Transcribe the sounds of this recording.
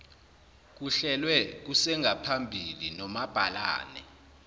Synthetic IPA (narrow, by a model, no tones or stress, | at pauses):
k̬uɬɛlwɛk̬usɛŋʱapʰambʱilinɔmab̥ʱala̰ːnɛ̰